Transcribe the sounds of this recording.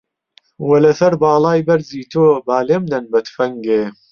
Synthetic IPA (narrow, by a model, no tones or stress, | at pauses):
wɐlɐsɐɾbɑːlˠɑːjbɐɾziːt̪ʰoːbaːleːmd̪ɐnbɐt̪fɐŋɡeː